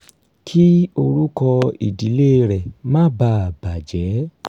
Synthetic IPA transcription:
kʰi˦o˧ɾu˦kɔ˧ḭ˨di˨˦le˦ɾɛ˨mã˦ba˧˨b̥a˨d͡ʒɛ˨˦

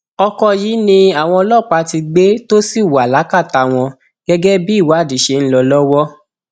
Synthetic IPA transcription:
ɔ˧kɔ˧ji˨˦nĩ˧a˨w̃ɔ̃˧ɔ˧lɔ˦˨k͡pa˧ti˧ɡ͡be˦to˦si˦˨wa˨la˨˦ka˦˨ta˧w̃ɔ̃˧ | ɡ̥ɛ˦ɡɛ˦bi˦˨wa˨˦˨di˨˦ʃe˧˨n̩˦lɔ˧lɔ˦wɔ˦

